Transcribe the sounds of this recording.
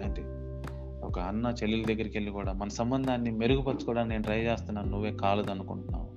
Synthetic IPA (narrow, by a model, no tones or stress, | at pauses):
eɳʈe | ɔkɐɐnːɐt͡ʃelːilɐd̪ɐɡːɐɾikelːikuːɽaːmɐnɐsɐmbɐnd̪ʱaːnːime̞ɾuɡupɐt͡ʃːu̥kuːɽaːnne̞ːnuɾɐjɐd͡ʒeːst̪unːaːnnuʋːe̞ːkaːlɐd̪ɐnukuɳʈunːa̰ːwu